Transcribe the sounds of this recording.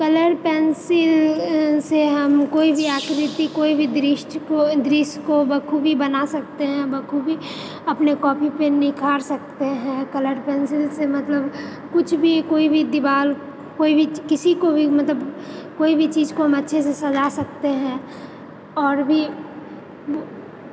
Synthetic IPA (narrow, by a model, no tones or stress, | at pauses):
kɐləɾpɛːnsɪlseɦɐmkoːibʱiaːkɾɪt̪ikoːibʱid̪ɾɪʃʈod̪ɾɪʃkobɐkʰubʱibɐnasɐk̚t̪eɦɛ̃bɐkʰubʱi | ɐpnekɔːpʰipenɪkʰaːɾsɐk̚t̪eɦɛ̃kɐləɾpɛnsɪlsemɐt̪ləb | kʊt͡ʃʰbʱikoːibʱid̪ɪʋaːl | koːibʱikɪsikobʱimɐt̪ləbkoːibʱit͡ʃiːzkoɦɐmɐtːʃʰesesɐzasɐk̚t̪eɦɛ̃ | ɔːɾbʱi | o